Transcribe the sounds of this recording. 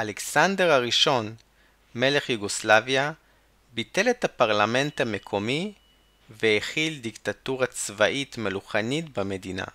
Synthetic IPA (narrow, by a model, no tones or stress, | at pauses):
ʔaleksande̞ʁhaʁiʃo̞n | me̞le̞χjuɡoslavja | bite̞lethapaʁlame̞nthame̞kʰo̞mi | veheχildiktatuʁat͡svaʔitmeluχanitbame̞dina̰